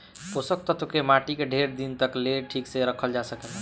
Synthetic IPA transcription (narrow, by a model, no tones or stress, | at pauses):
posək̚t̪ət̪ʰokemaʈikeɖʱeɾd̪int̪əkleʈʰikseɾəkʰəld͡ʒasəkəl